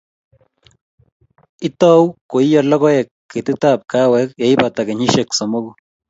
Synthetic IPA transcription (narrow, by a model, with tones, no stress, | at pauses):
ɪ˦tɔ˦wko˨i˦ja˨lɔ˦kɔ˦jɛ˨kːɪ˨tɪ˦ta˨p̚ka˦wɛ˦k̚ja˨i˦pa˨ta˨kɪ˨ɲɪ˦ʃɛ˨ksɔ˨mo˦ku˦